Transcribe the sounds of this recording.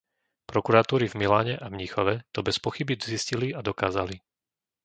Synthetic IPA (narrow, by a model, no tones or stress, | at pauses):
pɾɔkuɾat̪uːɾivmilaːɲɛʔavɲixɔʋɛt̪ɔbɛspɔxibizisciliad̪ɔkaːzali